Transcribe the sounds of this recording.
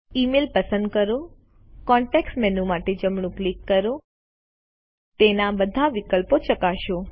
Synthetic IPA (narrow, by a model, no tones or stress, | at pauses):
imelpəsə̃nd̪̚kəɾo | kɔɳʈeksʈmenũmaʈed͡ʒəmɳũklikːəɾo | t̪enãbəd̪ʱaʋikəlpot͡ʃəkaʃo